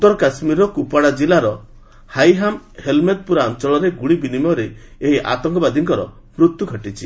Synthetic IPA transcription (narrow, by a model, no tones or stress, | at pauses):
ut̪ːɔɾɔkasmiɾɔkupaɽad͡ʒilaɾɔ | hajɦamhelmet̪̚puɾaɔnt͡ʃɔɭɔɾeɡuɽibinimɔɾeː | ɦiʔa̰t̪ɔŋkɔbad̪ʱiŋkɔɾɔ | mɾut̪juɡʱɔʈit͡ʃʰi